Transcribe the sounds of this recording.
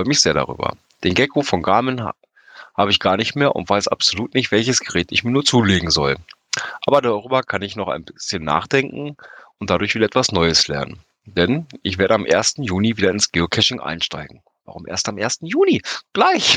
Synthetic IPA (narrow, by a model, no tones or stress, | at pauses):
ʁɔʏəmɪçz̥eːɐɾa̰ʁy̰ːbɐ̰ | d̥eːnɡɛkʰofɔnɡaːmən | haːbəɪçɡ̥aːɐnɪçtmeːɐʔʊ̰ntv̥aɪsʔa̰pz̥oluːtnɪçtv̥ɛlçəsɡ̥əʁɛːtɪçmiːɐnuːɐt͡suːleːɡŋ̩zɔl | ʔaːbɐdaʁyːbɐkʰanɪçnɔχa̰ɪnbɪsçənːa̰ːχd̥ɛŋkŋ̩ʔʊnt̚d̥adʊɐçviːdɐʔɛtv̥asnɔʏəslɛ̰ɐnə̰n | d̥ɛnʔɪçv̥eːɐdəamʔeːɐstn̩juːniviːdɐɪnsɡ̥eːokʰɛʃɪŋʔa̰ɪnʃta̰ɪɡŋ̩ | va̰ʁʊmʔḛːɐstamʔeːɐstn̩juːniɡ̥laɪç